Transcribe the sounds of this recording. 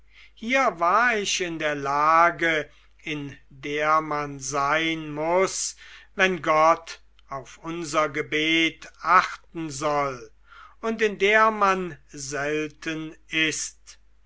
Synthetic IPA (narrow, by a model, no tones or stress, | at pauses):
hiːɐvaːɐɪɕɪndeːɐlaːɡə | ɪndeːɐmanzaɪnmʊsvɛnɡɔt | aʊfʔʊnzɐɡəbeːtaχtn̩zɔl | ʊntɪndeːɐmanzɛltʰənɪst